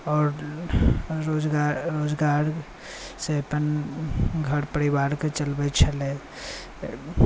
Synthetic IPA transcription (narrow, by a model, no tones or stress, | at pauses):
ɔːɾ | ɾoːd͡ʒɡaɾɾoːd͡ʒɡaːɾ | sepən | ɡʱəɾpəɾibaːɾket͡ʃəlbət͡ʃʰəle